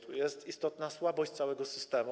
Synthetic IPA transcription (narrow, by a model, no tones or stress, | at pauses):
t̪ʰujɛst̪ist̪ɔt̪naswabɔɕt͡ɕt̪sawɛɡɔsɘst̪ɛmu